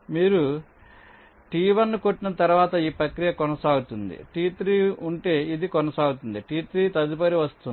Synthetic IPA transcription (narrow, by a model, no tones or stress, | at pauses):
miːɾu | ʈiːʋɐnːukoʈːinɐt̪ɐɾuʋaːt̪ɐiːpɾɐkɾijɐkɔnɐsaːɡut̪und̪ḭʈiːt̪ɾiːuɳʈe̞ːid̪ikɔnɐsaːɡut̪und̪iʈiːt̪ɾiːt̪ɐd̪ip̬ɐɾiʋɐst̪un